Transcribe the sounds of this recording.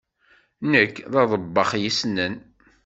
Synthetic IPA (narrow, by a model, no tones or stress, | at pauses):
nəkːðɑðˤəbːɑχjisnːən